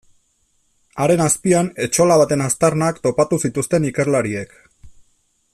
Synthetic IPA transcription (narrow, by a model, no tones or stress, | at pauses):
aɾe̞naspiane̞t͡ʃo̞laβ̞at̪e̞nast̪aɾnakt̪o̞pat̪usit̪ust̪e̞nike̞ɾlaɾie̞k